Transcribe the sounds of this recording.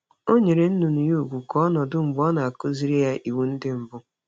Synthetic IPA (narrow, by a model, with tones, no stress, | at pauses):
o˦ɲe˨ɾe˨n̩˦nʊ˨nʊ˨ju˦˨ɡʷu˨kɔ˦ɔ˦nɔ˨dʊ˦ŋ͡m̩˨bɔ˦na˨a˨kʊ˦zi˦ɾi˦ja˦ʔi˨wu˨n̩˦dɪ˦m̩˨bʊ˦